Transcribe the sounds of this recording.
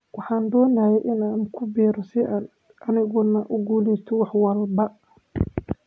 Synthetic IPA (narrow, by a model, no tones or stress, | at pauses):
wɑħɑːnd̪ɔːnaːjɛjʔɪnaːnkʰʊbɛːɾɔsɪaːn | ʔɐnɪɣɔnɐʔʊɡuːlɛst̪ʰɔwɑħwɐlbɐ